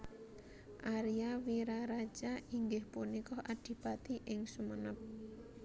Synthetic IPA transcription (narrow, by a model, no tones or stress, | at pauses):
ʔaɾijawiɾaɾḁd͡ʒ̥aiŋɡɪhpunikɔhaɖ̥i̤b̥at̪iʔɪŋsumənəp̚